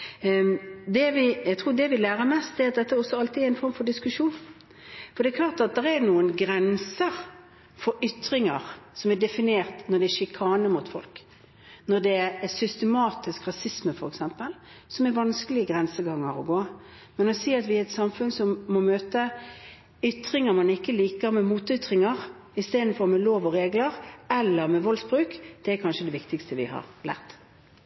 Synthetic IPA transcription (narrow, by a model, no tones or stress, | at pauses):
d̪ɛʋɪjæɡt̪ʰɾuːd̪ɛʋɪlæːɾəmɛst̪d̪ɛæɾɑt̪̚d̪ɛt̪ːəɔsɔɑlt̪ɪæɾɛɪnfɔɾmfɔɾɖɪskʉʂuːn | fɔɾd̪ɛkʰlɑːɾt̪ɑt̪̚d̪ɛɾɛnuːənɡɾɛnsəɾ | fɔɾʏt̪ːɾɪŋəɾsɔmɛdɛfɪneːɾt̪nɔɖ̪ɛɛʂɪkʰɑːnəmʊt̪fɔ̰lk | nɔd̪ɛsʏst̪əmɑːt̪ɪskʁɑsɪsməfɔɾɛksɛmpəl | sɔmɛɾʋɑnskəlɪəɡʁɛnsəɡɑŋːəɾɔɡoː | mɛnɔsiːɑt̪ʋɪɛt̪sɑmfʉnsɔmːɔmøːt̪ə | ʏt̪ʁɪŋəɾmɑnɪkːəliːkəɾmɛmuːt̪ʏt̪ɾɪŋəʁ | ɪst̪eːd̪n̩fɔʁmɛloːʋɔɾeːɡləʁɛlːəʁmɛʋɔlsbʁʉːkd̪̥ɛæɾkʰɑnʃəd̪ɛʋɪkt̪ɪkst̪əʋɪ̰hɑ̰ʁlæ̰ːʁt̪